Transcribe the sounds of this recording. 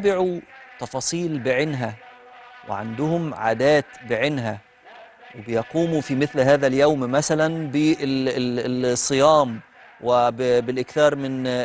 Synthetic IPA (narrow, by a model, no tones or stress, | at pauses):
bɪʕut̪ɑfɑːsˤiːlbɪʕɪnɦæ | wɪ̰ʕa̰nd̪ʊhʊmʕa̰ːd̪æːt̪bɪʕɪnɦæ | wɪbɪjɑquːmufimɪθlɦæːðæljawmmæsælænbɪ | sˤːɨjɑːm | wɪbbɪlʔɪkθɑːɾˤmɪn